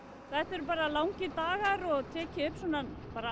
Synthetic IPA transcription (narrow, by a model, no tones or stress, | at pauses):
θɛt̪ɛɾʏp̬aːɾalawŋcɪt̪aːɣaɾɔɣt̪ʰɛːcɪʏhpːswɔnapaːɾa